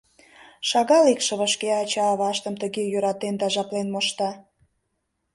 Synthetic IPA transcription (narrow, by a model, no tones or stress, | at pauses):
ʃɑɣɑlikʃə̆βəʃkeɑt͡ɕɑːβɑʃt̪əmt̪əɣejøɾɑt̪end̪ɑʒɑplenmoʃt̪ɑ